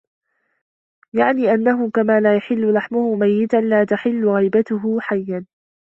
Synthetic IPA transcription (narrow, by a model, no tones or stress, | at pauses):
jaʕniːʔanːaɦʊkamaːlaːjaħɪlːʊlaħmʊhʊmajːɪt̪anlaːt̪aħɪlːʊɣajbat̪ʊɦʊħajːan